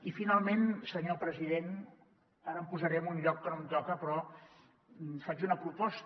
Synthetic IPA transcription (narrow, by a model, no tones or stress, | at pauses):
ifinalˠmensəɲopɾəziðen | aɾəmpuzəɾɛmunʎɔkːənomt̪ɔkəpɾɔ | fad͡ʒunəpɾupɔst̪